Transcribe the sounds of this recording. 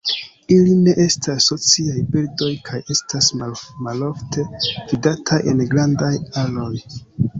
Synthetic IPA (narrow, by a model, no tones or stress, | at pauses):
iline̞ʔe̞stʰasːo̞t͡siajbildo̞jkʰaje̞stʰasmaloftʰe̞vidatʰajʔe̞̰nɡɾandajalo̞j